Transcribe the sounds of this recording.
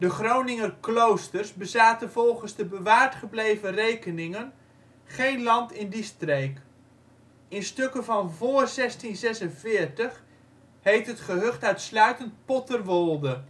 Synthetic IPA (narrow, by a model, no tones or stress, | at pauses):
dəχrownɪŋərklowstərzbəzaːtənvɔlˠχənzdəbəʋaːɹtχəblejvərejkənɪŋən | χejnlɑntɪndistrejk | ɪnstøkənvɑnvoːrzɛstinzɛsənvɪːɹtəχ | hejftɦətχəɦɵχtœɥtslœɥtənt̚pɔtərʋɔlˠdə